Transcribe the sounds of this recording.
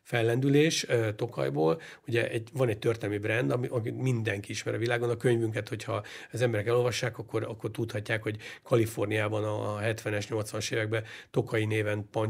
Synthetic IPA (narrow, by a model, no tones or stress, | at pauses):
fɛlːɛnd̪yleːʃøt̪o̞kɒ̰jboːluɟɛʔɛɟvɒnɛct̪ørt̪ɛlɛmibrɛnd̪ɒmiʔɒkimind̪ɛŋkiiʃmɛ̰ɾɒvilaːɡo̞nɒkøɲvyŋk̬ɛt̪ho̞chɒɛzɛmbɛɾɛkɛlo̞lvɒʃːaːkɒkːo̞ɾɒkːo̞rt̪ut̪hɒcːaːkho̞ɟkʰɒlifo̞rnijaːbɒnɒɦɛt̪ʋɛnɛʃɲo̞lt̪sʋɒnɒʃeːvɛɡ̚bɛt̪o̞kɒjineːvɛnpɒɲ